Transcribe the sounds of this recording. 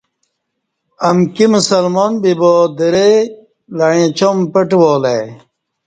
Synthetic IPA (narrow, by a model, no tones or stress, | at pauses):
ɐmkimusɐlmoːnbiboːd̪eɾe | lɐɻẽt͡ɕompeʈwoːle